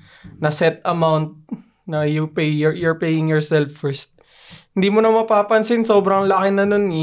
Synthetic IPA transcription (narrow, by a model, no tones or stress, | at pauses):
nɐsɛt̪ɐmawnt̪̚ | nɐjʊpejjʊɹpejɪŋjɔɹsɛlfːɛɹst̪̚ | hɪnd̪iːmonɐmɐpaːpɐnsɪnso̞ːbɾɐŋlɐkɪnɐnon